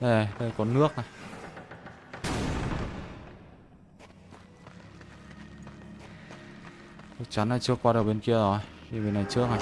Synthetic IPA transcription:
ɗe˨ɗe˧˩kɔ˨˦nɨ˦˥ək̚na˨˩j | nɨ˦˥k̚t͡ɕa˨˦nːʔa˨˩t͡ɕɨ˦˥əkːwaː˧ɗ̚ɓe˧nki˧əzo˨˩ji˧˩ɓe˧˦na˨˩jt͡ɕɨ˦˥ək̚na˨˩˨

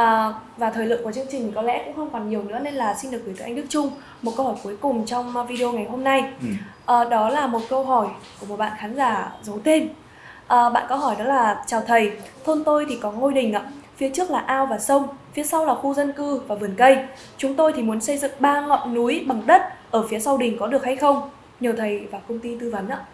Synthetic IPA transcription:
ʔːvaː˨˩t̪ʰəː˨˩lɨ̰˧˨ŋku˧˩t͡ɕɨ˧əŋt͡ɕï˨˩ŋ̟˨kɔ˨˦lɛ̰˧˥kʊ̰˧˥ŋ͡mxə˧wŋ͡mkɔ˨˩nɲi˨˩əwnɨ̰˧˥əne˧nlaː˨˩si̟˧ɗɨ˨˩ək̚vt̪ɨː˨˧˩ʔŋ̟ɗɨ˦˥k̚t͡ɕʊ˧ŋ͡m | mo˨˩t̚kə˧whɔː˧˩jku˨˦jkʊ˨˩ŋ͡mt͡ɕɔ˧wŋ͡mvi˧ɗi˧o˧ŋa˨˩jɦo˧mna˧jʔəː˨˩ɗɔ˨˦laː˨˩mo˨˩t̚kə˧wɦɔ˧˩jku˧˩əmo˨˩t̚ɓa̰ː˧˨xaː˨˦nzaː˧˩zə˨˦wt̪ʰe˧n | ʔəː˨˩ɓa̰ː˧˨nkə˨˧wɦɔ˧˩jɗɔ˨˦laː˨˩t͡ɕaː˨˩wt̪ʰə˨˩jt̪ʰo˧nt̪o˧jt̪ʰi˨˩kɔ˨˦ŋo˧jɗï˨˩ŋ̟ʔa̰ː˧˨˥fi˨˦ət͡ɕɨ˦˥ək̚laː˨˩ʔaː˧wvaː˨˩sə˧wŋ͡mfi˨˦əsa˧wlaː˨˩xu˧zə˧nkɨ˧vaː˨˩vɨ˨˩ənkə˧j | t͡ɕʊ˨˦ŋ͡mt̪o˧jt̪ʰi˨˩mu˨˦ənsə˧jzɨ̰˧˨ŋɓaː˧ŋɔ̰˧˨jnu˨˦jɓa˨˩ŋɗə˦˥t̚ʔəː˧˩fi˨˦əsa˧wɗï˨˩ŋ̟kɔ˨˦ɗɨ˨˩ək̚ha˧jxə˧wŋ͡m | ɲi˨˩əwt̪ʰə˨˩jvaː˨˩kə˧wŋ͡mt̪i˧t̪ɨ˧və˨˦nʔaː˧˥

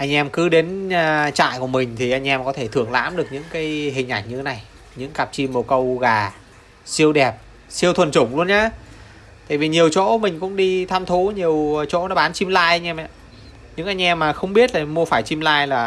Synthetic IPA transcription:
ʔa˧jŋ̟ʔɛ˧mkɨ˨˦ɗe˨˦n˧t͡ɕa̰ː˧˨jku˧˩əmï˨˩ŋ̟t̪ʰi˨˩ʔa˧jŋ̟ʔɛ˧mkɔ˨˦t̪ʰe˧˩t̪ʰɨ˧˩əŋla̰ː˧˥mɗɨ˨˩ək̚ɲɨ̰˧˥ŋkaː˨˦jɦï˨˩ŋ̟ʔa˧˩jŋɲɨ˧e˨˦na˨˩j | ɲɨ̰˧˥ŋka˨˩p̚t͡ɕi˧mːo˨˩kə˧wɣaː˨˩ | si˧əwɗɛ˨˩p̚ | si˧əwt̪ʰwə˨˩nt͡ɕʊ˧˩ŋ͡mlu˧ənɲaː˨˦ | t̪a̰ː˧˨jvi˨˩ɲi˨˩əwt͡ɕo̰˧˥mï˨˩ŋ̟kʊ̰˧˥ŋ͡mɗi˧t̪ʰaː˧mt̪ʰu˨˦ɲi˨˩əwt͡ɕo̰˧˥nɔ̰˨˦˥ɓaː˨˦nt͡ɕi˧mlaː˧jʔa˧jŋ̟ʔɛ˧mʔa̰ː˧˨ | ɲɨ̰˧˥ŋʔa˧jŋ̟ʔɛ˧mːaː˨˩xə˧wŋ͡mɓi˦˥ət̚laː˨˩mu˧əfaː˧˩jt͡ɕi˧mlaː˧jlaː˨˩

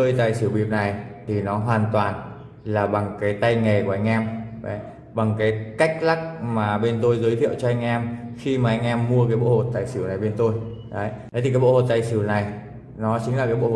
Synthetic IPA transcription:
əː˧jt̪a̰ː˧˨˩jsɨ˧˩wɓi˨˩əp̚na˨˩jt̪ʰi˨˩nɔ˨˦ɦwaː˨˩nt̪waː˨˩n | laː˨˩ɓa˨˩ŋkaː˨˦jt̪a˧jŋe˨˩ku˧˩ʔa˧jŋ̟ʔɛ˧mɓə˨˦j | ɓa˨˩ŋkaː˨˦jka˦˥jk̟̚la˦˥k̚maː˨˩ɓe˧nt̪o˧jzəː˨˦jt̪ʰḭ˧˨əwt͡ɕɔ˧ʔa˧jŋ̟ʔɛ˧mxi˧maː˨˩ʔa˧jŋ̟ʔɛ˧mːu˧əkaː˨˦jɓo̰˧˨ho˨˩t̚t̪aː˨˩jsɨ˧˩wna˨˩jɓe˧nt̪o˧j | ɗə˨˦jɗə˨˦t̪i˨˩kːaː˨˦ɓo̰˧˨ho˨˩t̚t̪aː˨˩jsɨ˧˩wna˨˩j | nɔ˨˦t͡ɕï˨˦ŋla˨˩kaː˨˦ɓo̰˧˨

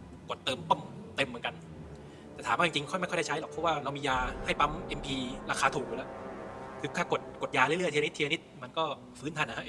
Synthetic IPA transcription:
ku˨˩ət̪ːɤː˧mt̪o˥˩mt̪e˧mːɯ˩˦nka˧n | t̪ɛː˨˩t̪ʰaː˩˦maː˥˩t͡ɕi˧ŋt͡ɕi˧ŋkʰja˥˩˥da˥˩t͡ɕʰa˦˥jlɔː˨˩pʰɔ˦˥waː˥˩ɾa˧wmiː˧jaː˧ha˥˩jpa˦˥mʔe˧mpʰiː˧ɾaː˧xʰaː˧t̪ʰuː˨˩˧lɛ˦˥kʰɯː˧k̪ʰaː˥˩ko˨˩t̪̚ko˨˩t̪̚jaː˧li˥˩˨lɯ˥˩t̪ʰn˦˥t̪ʰi˧ni˦˥t̪̚ma˧nkɔː˥˩ | fɯː˦˥nt̪ʰa˧nːa˧˩a˦˥ʔ

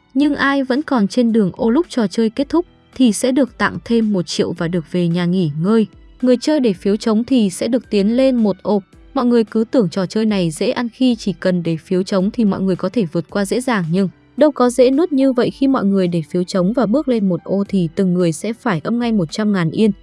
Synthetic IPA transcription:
ɲɨ˧ŋʔaː˧jvə̰˧˥nkɔ˨˩nt͡ɕe˧nɗɨ˨˩əŋʔo˧lʊ˦˥k͡p̚t͡ɕɔ˧˩t͡ɕəː˧jke˦˥t̚t̪ʰʊ˦˥k͡p̚ | t̪ʰi˨˩sɛ̰˧˥ɗɨ˨˩ək̚t̪a̰˧˨ŋt̪ʰe˧mːo˨˩t̚t͡ɕḭ˧˨əwvaː˨˩ɗɨ˨˩ək̚ve˨˩ɲaː˨˩ŋi˧˩ŋəː˧j | ŋɨ˨˩əjt͡ɕəː˧jɗe˧˩fi˨˦əwt͡ɕə˨˦wŋ͡mt̪ʰi˨˩sɛ̰˧˥ɗɨ˨˩ək̚t̪i˨˦ənle˧nmo˨˩t̚ʔo˧˩ | mɔ̰˧˨jŋɨ˨˩əjkɨ˨˦t̪ɨ˧˩əŋt͡ɕɔ˨˩t͡ɕəː˧jna˨˩jzḛ˧˥ʔa˧nxi˧t͡ɕi˧˩kə˨˩nɗe˧˩fi˨˦əwt͡ɕə˨˦wŋ͡mt̪ʰi˨˩mɔ̰˧˨jŋɨ˨˩əjkɔ˨˦t̪ʰe˧˩vɨ˨˩ət̚kwaː˧zḛ˧˥zaː˨˩ŋɲɨ˧ŋ | ɗə˧wkɔ˨˦zḛ˧˥nɨ˦˥ət̚ɲɨ˧və̰˧˨jxi˧mɔ̰˧˨jŋɨ˨˩əjɗe˧˩fi˨˦əwt͡ɕə˨˦wŋ͡mvaː˨˩ɓɨ˦˥ək̚le˧nmo˨˩t̚ʔo˧t̪ʰi˨˩t̪ɨ˨˩ŋːɨ˨˩əjsɛ̰˧˥faː˧˩jʔə˧mŋa˧jmo˨˩t̚t͡ɕa˧mŋaː˨˩nʔi˧ən

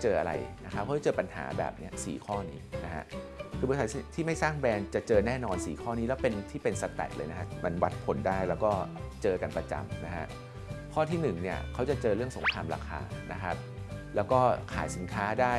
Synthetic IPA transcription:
t͡ɕɤː˧ʔa̰˧ɾa̰˧jna˦˥kʰa˦p̚ʰa˦˥˩t͡ɕɤː˧pa˧nha̰ː˩˦bɛ̰ː˨˩p̚ni˦˥ɐsḭː˨˩˦kʰɔː˥˩niː˦˥na˦˥kʰa̰˦˥ʔ | kʰɯː˧bsa˨˦˨t̪ʰiː˥˩ma˥˩jsaː˥˩ŋbɛː˧nt͡ɕa˨˩t͡ɕɤː˧nɛː˥˩nɔː˧nsḭː˨˩kʰɔː˥˩niː˦˥lɛː˦˥wpe˧nt̪ʰiː˥˩pe˧nsa˧t̪ɛ̰˨˩t̪lɤː˧jna˦˥kʰa˦˥mʔa˧nwa˦˥t̪̚pʰo˨˩˦ndaː˥˩jlɛː˦˥wkɔː˥˩t͡ɕɤː˧ka˧npɾa˧t͡ɕa̰˧mna˦˥kʰa̰˦˥ʔ | kʰɔː˥˩t̪ʰiː˥˩nɯ˨˩ŋni˥˩ɐkʰa˦˥wt͡ɕa˨˩t͡ɕɤː˧ɾɯ˥˩əŋso̰˨˩˦ŋkʰɾaː˧mɾa̰ː˧kʰa̰ː˧na̰˦˥kʰa˦˥p̚ | lɛː˦˥wkɔː˥˩kʰa̰ː˨˩˦jsi˨˩˦nkʰaː˦˥daː˥˩

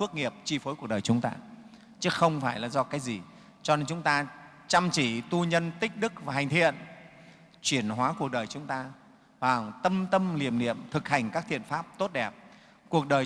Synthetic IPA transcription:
fɨ˦˥ək̚ŋi˨˩əp̚t͡ɕi˧fo˨˦jku˨˩ək̚ɗəː˨˩jt͡ɕʊ˨˦ŋ͡mt̪a̰ː˧ | t͡ɕɨ˨˦xə˧wŋ͡mfaː˧˩jlaː˨˩zɔ˧kaː˨˦jzi˨˩ | t͡ɕɔ˧ne˧nt͡ɕʊ˨˦ŋ͡mt̪aː˧ | t͡ɕa˧mt͡ɕi˧˩t̪u˧ɲə˧nt̪ï˦˥k̟̚ɗɨ˦˥k̚vaː˨˩ɦa˨˩ŋ̟t̪ʰḭ˧˨ən | t͡ɕwi˧˩ənɦwaː˨˦ku˨˩ək̚ɗəː˨˩jt͡ɕʊ˨˦ŋ͡mt̪aː˧ | ɓaː˨˩ŋt̪ə˧mt̪ə˧mli˨˩əmnḭ˧˨əmt̪ʰɨ˨˩k̚ha˨˩jŋ̟kaː˦˥k̚t̪ʰḭ˧˨ənfaː˦˥p̚t̪o˦˥t̚ɗɛ˨˩p̚ | ku˨˩ək̚ɗəː˨˩j

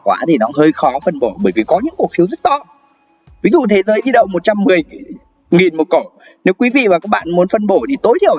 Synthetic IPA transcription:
kwaː˨˦t̪ʰi˨˩nɔ˨˦ɦəː˧jxɔ˨˦fə˧nɓo˧˩ɓəː˧˩jvi˨˩kɔ˨˦ɲɨ̰˧˥ŋku˨˩ək̚fi˨˦wzə˦˥t̚t̪ɔ˧ | vi˨˦zṵ˧˨t̪ʰe˨˦zəː˨˦ʔi˧˦˥ɗə̰˧˨wŋ͡mmo˨˩t͡ɕa˧mːɨ˨˩əj | ŋi˨˩nmo˨˩t̚ko˧˩ | ne˨˦wkwi˨˦vḭ˧˨vaː˨˩kaː˦˥k̚ɓa̰ː˧˨nmu˨˦nfə˧nɓo˧˩t̪ʰi˨˩t̪o˨˦jt̪ʰi˧˩əw

